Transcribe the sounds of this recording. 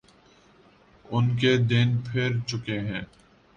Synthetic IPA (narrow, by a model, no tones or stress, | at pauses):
ʊnked̪ɪnpʰɪɾt͡ʃʊkeɦɛ̃ː